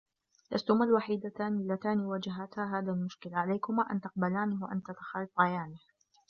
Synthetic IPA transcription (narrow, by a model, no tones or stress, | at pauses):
la̰st̪ʊmalwaħiːd̪at̪aːnilːat̪aːniwad͡ʒaɦat̪haːɦaːðalmʊʃkɪlaʕalajkʊmaːʔa̰nt̪ɑq̚balaːniwaʔa̰nt̪at̪ḁxaːlɪfʕajaːnih